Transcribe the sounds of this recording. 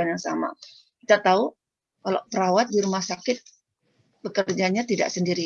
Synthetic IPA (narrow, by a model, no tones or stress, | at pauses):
anjaŋsa̰ma̰ | kit̪at̪au | kalo̰pəɾawat̪̚diɾumahsakɪt̪̚ | b̥əkərd͡ʒaɲat̪ida̰ʔsəndiɾi